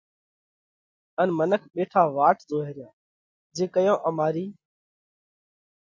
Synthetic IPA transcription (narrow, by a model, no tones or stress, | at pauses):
ənmənəkʰɓeːʈʰaːʋaːʈzoːɦeːɾɪjãː | d͡ʒeːkəjõːʔəmaːɾiː